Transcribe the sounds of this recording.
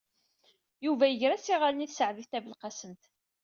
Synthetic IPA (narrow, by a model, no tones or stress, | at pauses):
juvæjəʝɾæsiʁalniθsəʕðift̪ævəlqɑsənt̪